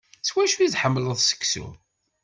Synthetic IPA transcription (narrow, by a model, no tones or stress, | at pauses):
swæʃuiðħəmːləðˤsə̥kːsṵ